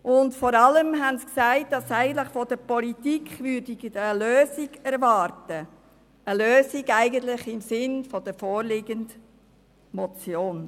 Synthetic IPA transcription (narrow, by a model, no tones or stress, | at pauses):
ʔʊndfɔɾɑləmɦɛnsksæɪt̚d̥ɑsæɪɡən̩t̪lɪχfɔd̥əɾpɔlitikχvʏɾdiɡəløːsiɡɛɾvɑːɾtə | əløːsiɡæɪɡəntlɪχɪmsɪnfɔd̥əfɔːɾlɪɡənd | mɔt͡sjoːn